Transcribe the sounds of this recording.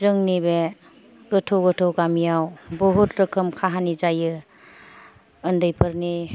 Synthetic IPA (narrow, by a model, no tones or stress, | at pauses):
zɯŋnibe | ɡ̥ɯtʰowɡɯtʰowɡamijawbɔɦut̚ɾɯkʰɯmkʰaɦanizajɯ | ndɯjpʰɯɾni